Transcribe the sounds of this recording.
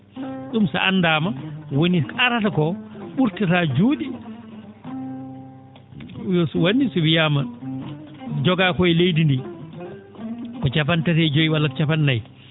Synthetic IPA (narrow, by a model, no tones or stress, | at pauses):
ɗumsa̰ʔanːdaːmawoniaɾatakɔɓuɾtatad͡ʒuːɗi | jɔswanːisɔwijama | d͡ʒɔɡakɔjlejdindi | kɔt͡ʃapantatɛd͡ʒojiwalːakt͡ʃapanːaj